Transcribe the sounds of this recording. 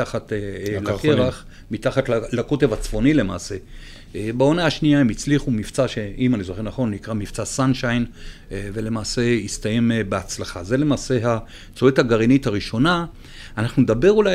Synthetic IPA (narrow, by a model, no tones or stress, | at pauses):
aχatelakeʁaχ | mit̪aχat̪lako̞te̞vat͡sv̥o̞nile̞ma̰ːse̞ | bao̞naaʃniaemit͡sliχumift͡saʃe̞imanizoχe̞ʁnaχo̞nnikʁamift͡sasanʃajn | ve̞le̞maːse̞ist̪aje̞mbeat͡slaχaze̞le̞maːse̞ɦa | t͡soethaɡaʁinithaʁiʃo̞na | anaχnuned̪abe̞ʁula